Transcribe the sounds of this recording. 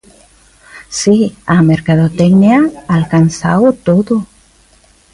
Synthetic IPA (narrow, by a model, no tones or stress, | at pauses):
siameɾkaðot̪eɡniaːlkansawt̪oðo